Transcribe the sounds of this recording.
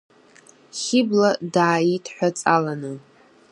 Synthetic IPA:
χʲɪbladaːitʰħʷᶣat͡sʼalanɨ

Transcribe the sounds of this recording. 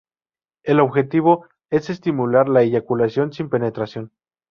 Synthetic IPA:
e̞lo̞βxe̞t̪iβo̞ | e̞se̞st̪imulaɾlaiʝakulasjo̞nsimpe̞ne̞t̪ɾasjo̞n

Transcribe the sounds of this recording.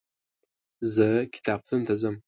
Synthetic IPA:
zɐkʲʰi̥t̪ʰaːp̚t̪ʰɨnt̪ʰɐzɐm

